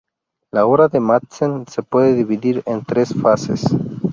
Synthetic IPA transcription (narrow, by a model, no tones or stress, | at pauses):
laoɾaðematt͡sense̞pweðeðiβiðiɾent̪ɾe̞sfase̞̰s